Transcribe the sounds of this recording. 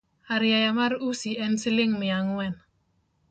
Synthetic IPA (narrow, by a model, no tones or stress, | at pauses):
aɾjajamaɾusiɛnsilɪŋmɪaŋwɛn